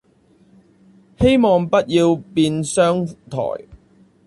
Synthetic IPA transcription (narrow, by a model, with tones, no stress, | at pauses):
he˥jmɔː˨˧ŋpɐ˥t̚jiː˧wpiː˧nsœː˥ŋt̪ʰɔ̰ː˨˩j